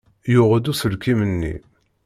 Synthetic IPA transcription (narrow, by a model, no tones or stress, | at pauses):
jʊʁəd̪usəlkimənːḭ